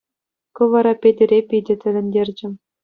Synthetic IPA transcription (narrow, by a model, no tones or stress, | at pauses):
kɤ̆ʋɑɾɑpʲedʲɘ̆ɾʲepʲidʲɘ̆t̪ʲɘ̆lʲɘ̆nʲdʲerʲd͡ʑɘ̆